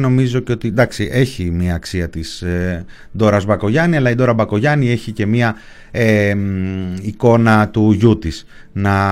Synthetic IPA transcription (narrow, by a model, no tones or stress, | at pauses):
no̞mizo̞ce̞o̞t̪ind̪ɐksiʔe̞çimiɐːksiɐt̪is | d̪o̞ɾɐzbɐko̞ʝɐniɐlɐid̪o̞ɾɐbɐko̞ʝɐnie̞çice̞miɐ | e | iko̞nɐt̪uʝut̪is | nɐ